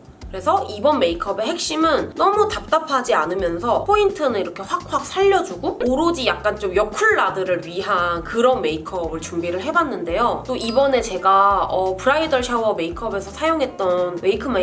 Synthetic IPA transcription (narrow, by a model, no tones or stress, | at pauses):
kɯɾe̞sʰʌibʌnme̞ikʰʌbe̞ɦe̞k̚ɕ͈imɯnːʌmutap̚t͈apʰad͡ʑianɯmjʌnsʰʌpʰointʰɯnɯniɾʌkʰe̞ɸwak̚ʰwak̚sʰaʎːʌd͡ʑuɡooɾod͡ʑijak̚k͈ant͡ɕomjʌkʰuɭːadɯɾɯɭɥiɦankɯɾʌnme̞ikʰʌbɯɭt͡ɕumbiɾɯɭɦe̞banːɯnde̞jot͈oʔibʌne̞t͡ɕe̞ɡaʌpʰɯɾaidʌɭɕʰawʌme̞ikʰʌbe̞sʰʌsʰajoŋɦe̞t̚t͈ʌnme̞ikʰɯma